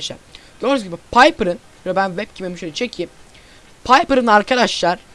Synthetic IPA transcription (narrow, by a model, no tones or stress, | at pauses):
eʃæ̰ɾd̪̥oɾuzɡʲibɛpʰajpɾɯn | ɛbænvɛp̚cʰimemiʃølʲɛt͡ʃʰecʰiːm | pʰajpɯɾɯnaɾkʰad̪aʃlˠaɾ̥